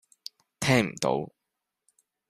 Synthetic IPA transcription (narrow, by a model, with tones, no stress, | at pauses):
t̪ʰɛː˥ŋm̩˨˩t̪o̰˨˥w